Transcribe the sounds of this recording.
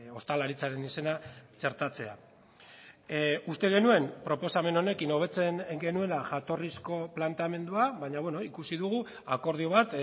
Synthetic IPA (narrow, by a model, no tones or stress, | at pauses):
o̞st̪alaɾit͡saɾe̞nise̞nat͡ʃe̞ɾt̪at͡se̞a | ust̪e̞ɣ̞e̞nue̞mpɾo̞po̞same̞no̞ne̞kino̞β̞e̞t͡se̞nŋɡe̞nue̞laʝat̪o̞risko̞plant̪eame̞nd̪uaβaɲaβweno̞ikusiðuɣu | ako̞ɾð̞ioβ̞at̪